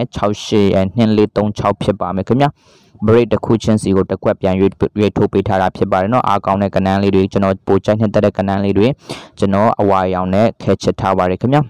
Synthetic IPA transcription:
t͡ɕʰa˦ʊʔʃɪ˦˨jɛ˨n̥ɪ̰̃˦˨le˦t̪õ˦ʊ̃ɲt͡ɕʰa˦ʊpʰjɪ˦pːa˨mɛ˨kʰmja̰˦˨ | bəɹe˦tːəkʰṵ˦˨t͡ɕʰɪ̰̃˦nsi˨ɡo˨təkwɛ˦ʔpjã˨we˦˨tʰo˦pe˦tʰa˦ɾa˨pʰjɪ˦pːa˨ɾɛ˨nɔ̰˦ʔa̰˦kã˦ʊ̃ndɛ̰˦˨kə˨nã˦le˦dwe˨t͡ɕə˨nɔ˨po˨t͡ɕa˦ɪn̥ɪ̃˦˨t̪ɛ˦tːɛ˦˨kə˨nã˦le˦dwɪ̃˨t͡ɕə˨nɔ˨ʔəwa˨jã˨ʊ̃nɛ̰˦˨kʰɛ˦˨t͡ɕʰɛ˦˨tʰːa˦ba˨dɛ˨kʰəmja˦˨

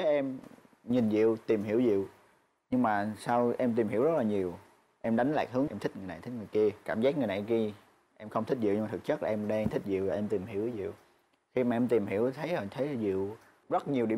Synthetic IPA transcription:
e˨˦ʔɛ˧m | ɲi˨˩nzḭ˧˨əwt̪i˨˩mhi˧˩əwzḭ˧˨əw | ɲɨ˧ŋmaː˨˩saː˧wʔɛ˧mt̪̬i˨˩mhi˧˩wzt̚laː˨˩ɲi˨˩əw | ʔɛ˧mɗa˨˦jŋ̟la̰ː˨jk̚ɦɨ˨˦əŋʔɛ˧mt̪ʰi˦˥k̚ŋ˨˩jna˨˩t̪ʰi˦˥ŋɨ˨˩jki˧əkaː˧˩mzaː˦˥k̚ŋɨ˨˩jna˨˩ki˧ə | ʔɛ˧mxə˧wŋ͡mt̪ʰï˦˥zḭ˧˨wɨ˧ma˨˩ɨ˨˩k̚t͡ɕə˦˥laː˨ʔɛ˧mɗə˧ŋt̪ʰï˦˥k̟̚zḭ˧˨wlaː˨˩ʔɛ˧mt̪i˨˩mɦi˧˩əwzḭ˧˨əw | xi˧maː˨ʔɛ˧mt̪i˨˩mɦi˧˩˥əwt̪ʰə˨˦jhə˨˩t̪ʰə˨˦jzḭ˧˨w | zə˦˥t̚ɲi˨˩əwɗi˧˩˨

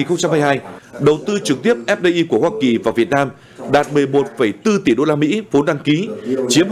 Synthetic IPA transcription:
i˨˩nxə˧wŋ͡mt͡ɕa˧mhaː˧jɦaː˧jɗə˨˩wt̪ɨ˧t͡ɕɨ˨˩k̚t̪i˦˥əp̚ʔɛ˦˥p̚ɗe˧ʔi˧ku˧˩əhwaː˧ki˨˩vaː˨˩vi˨˩ət̚naː˧m | ɗaː˨˩t̚mɨ˨˩əjmo˨˩t̚fə˧˩jt̪ɨ˧t̪i˨˩ɗo˧laː˧mḭ˧˥fo˨˦nɗa˧ŋki˨˦t͡ɕi˨˦əm

